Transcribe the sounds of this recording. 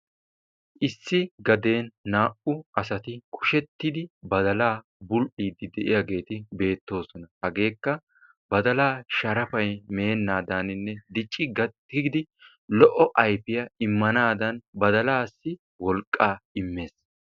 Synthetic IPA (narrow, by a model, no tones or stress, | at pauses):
ʔɪsːɪɡɐd̪e̞ːnːaːʔʊʔɐsɐt̪ɪkʰʼʊ̥ʃɛt̪ːɪd̪ɪbɐd̪ɐlaː | bʊlʔiːd̪ːɪd̪ɛʔɪjaɡe̞ːt̪ɪbe̞ːt̪ːo̞ːsɔnɐhɐɡe̞ːkːɐ | bɐd̪ɐlaːʃɐɾɐfɐjme̞ːnːaːd̪aːnɪnːɛd̪ɪt͡ʃʼːɪɡɐ | ɪɡɪd̪ɪ | lɔʔɔʔɐjfɪjɐɪmːɐnaːd̪ɐnbɐd̪ɐlaːsːɪ | wɔlkʼːaːɪmːe̞ːs